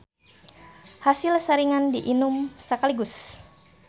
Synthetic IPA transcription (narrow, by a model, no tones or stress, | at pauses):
hasilsəɾiŋandiʔinumsəkaliɡʊs